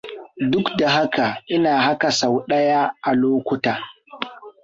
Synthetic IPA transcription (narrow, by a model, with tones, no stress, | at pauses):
dʊ˦kda˨ɦa˦ka˨ʔɪ˦naː˨ɦa˦ka˨sa˨wɗɐ˦ja˦ʔa˨loː˦kʷʊ˨˦taː˨